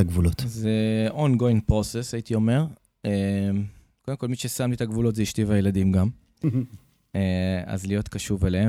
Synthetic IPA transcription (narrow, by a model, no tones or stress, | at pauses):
aɡvulot̪zeonɡoinpʁosesait̪io̞me̞ʁ | emko̞d̪emkolmiʃesamlit̪aɡvulo̞tzeiʃtivajelad̪imɡam | ea̰zlijo̞t̪kaʃuvelee